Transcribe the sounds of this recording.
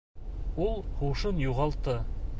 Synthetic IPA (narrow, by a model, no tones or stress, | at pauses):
ulˠhuʃɤnjuʁɑlˠt̪ɤ